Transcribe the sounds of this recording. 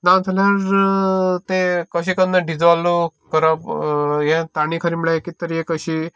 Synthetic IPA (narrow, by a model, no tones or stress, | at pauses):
nãwt̪ʰalaɾ | t̪ekəɕikənəɖid͡zʋalokəɾəpjẽt̪aɽ̃ikʰəɾimɭakit̪əɾijẽkəɕi